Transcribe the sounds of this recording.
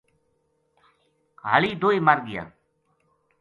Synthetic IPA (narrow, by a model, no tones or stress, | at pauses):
ɡʱa̰ːliːd̪oːiːmaɾɡɪja̰ː